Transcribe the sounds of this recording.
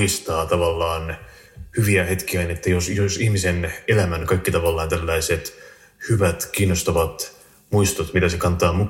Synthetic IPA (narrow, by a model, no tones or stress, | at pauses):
ist̪ɑːt̪ɑʋɑlːɑːn | hyʋiæhet̪kiænet̪ːæjosjosihmisenelæmænkɑikːit̪ɑʋɑlːɑːnt̪ælːæiset̪ | hyʋæt̪kiːnːost̪ɑʋɑt̪ | muist̪ot̪mit̪æsekɑnt̪ˑɑːmuk